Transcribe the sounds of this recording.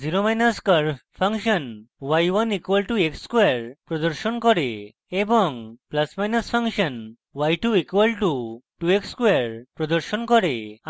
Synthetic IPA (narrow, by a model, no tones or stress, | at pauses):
d͡ziɾomajnaskəɾpʰaŋʃɔnwajwanikwəlʈuekskwaɾpɾɔd̪ɔɾsɔnkɔɾe | ebɔŋplasmajnaspʰaŋʃɔn | wajʈuikwalʈuʈuekskwaɾpɾɔd̪ɔɾsɔnkɔɾe